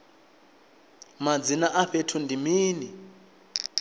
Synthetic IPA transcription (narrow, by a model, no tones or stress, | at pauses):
mad͡zinaʔaɸetʰundʱimiːni